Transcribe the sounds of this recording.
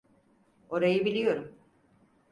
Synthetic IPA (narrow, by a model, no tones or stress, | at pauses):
o̞ɾajɯbilʲijo̞ɾum